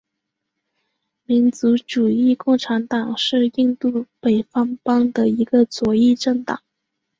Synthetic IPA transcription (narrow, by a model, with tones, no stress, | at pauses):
mi˧˥nt͡su˧˥ʈ͡ʂu˨˩i˥˧kʊ˥˩ŋʈ͡ʂʰa˧˥nt̪ɑ˨˩ŋʂɻ̩˥˧i˥˧ŋt̪u˥˩pe˨˩ɪfɑ˥ŋpɑ˥ŋd̪ə˨i˧˥ɡə˧t͡swɔ˧˥i˥˧ʈ͡ʂɤ˥˩ŋt̪ɑ˨˩˦ŋ